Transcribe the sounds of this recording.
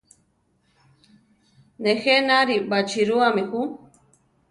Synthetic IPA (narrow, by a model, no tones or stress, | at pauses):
nexenaɾibat͡ʃiɾuamixu